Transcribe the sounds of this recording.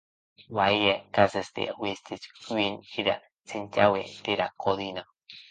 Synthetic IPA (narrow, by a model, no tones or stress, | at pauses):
waijekasest̪ḛwist̪it͡skʷiniɾa̰ | t͡sint̪awet̪eɾakʰoðina